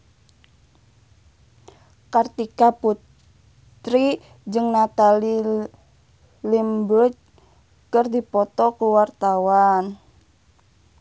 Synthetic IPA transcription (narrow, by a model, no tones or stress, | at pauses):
kart̪ikaput | t̪ɾi | d͡ʒɨŋnat̪ali | limbut͡ʃ | kərdipɔt̪ɔkuwart̪awan